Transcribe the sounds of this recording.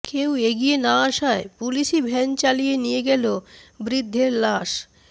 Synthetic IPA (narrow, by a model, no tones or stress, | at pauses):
keweɡijenaaʃaepuliʃibʱɛnt͡ɕalijenijeɡɛlobɾid̪ʱːeɾlaʃ